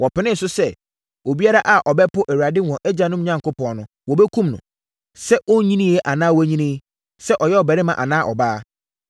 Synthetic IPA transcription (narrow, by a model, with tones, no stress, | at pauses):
wɔ˨pɪ˨nɪ̃˦n̩˨sʊ˦sɛ˦˨ | o˨bi˦a˦ɾa˦ʔa˨ʔɔ˨bɛ˦pʊ˦ʔæ˨wu˨ɾa˨dɪ˦˨wɔ̃˨ʔɛ˦d͡ʑã˨nʊ̃˦m˦ɲã˦ŋkʊ˦pɔ̃˨nʊ̃˨ | wɔ˨bɛ˦kʰũ˦mnʊ̰̃˨ | sɛ˦ʔɔ˦ɲĩ˦nĩ˦ɛ˦ʔa˨nãː˦wɲĩ˦nɪ̃˦ | sɛ˦ʔɔ˨jɛ˦ɔ˨bɛ˨ɾɪ̃˦mã̰˨ʔa̰˨nã˦ʔɔ˨baː˦